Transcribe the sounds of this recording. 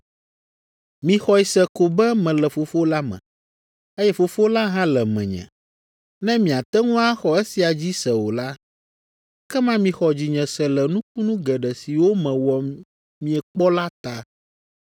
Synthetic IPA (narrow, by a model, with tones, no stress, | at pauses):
mĩ˨xɔ˨i˨sɛ˨ko˨bɛ˦mɛ̃˨lɛ˨fo˨fo˦la˦mɛ̰̃˨ | e˦jɛ˦fo˨fo˦la˦ɦã˦lɛ˨mɛ̰̃˨ɲɛ̰̃˨ | nɛ̃˦mĩ˨a˨t̪ɛ˦ŋũ˦a˦xɔ˨ɛ˦si˨a˨d͡ʑi˦sɛ˨wo˨la˦ | kɛ˦mã˦mĩ˨xɔ˨d͡ʑi˨ɲɛ̃˨sɛ˨lɛ˨nũ˦k̚u˦nũ˦ɡɛ˨ɖɛ˨si˨wo˦mɛ̃˨wɔ˨ | mĩ˨ɛ˨k͡pɔ˦la˦t̪a˦